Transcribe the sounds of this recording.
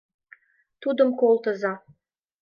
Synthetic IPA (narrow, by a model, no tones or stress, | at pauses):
t̪ud̪ə̆mkolˠt̪ə̆zɑ